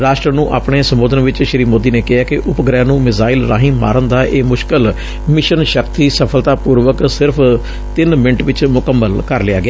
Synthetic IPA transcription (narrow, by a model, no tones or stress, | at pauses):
ɾaːʃʈɾənũːʔa̰ːpɳeːsəmboːd̪ənʋɪt͡ʃʃɾiːmoːd̪iːneːkɪɦaːkɪʔʊpɡɾɛ̃ːnũːmɪzaːɪlɾa̰ːɦĩːma̰ːɾənd̪aːʔeːmʊʃkəl | mɪʃənʃəkt̪iːsəpʰəlt̪aːpuːɾʋəksɪɾpʰ | t̪ɪnmɪ̃ɳʈʋɪt͡ʃmʊkəmːəlkəɾlɪja̰ːɡɪaː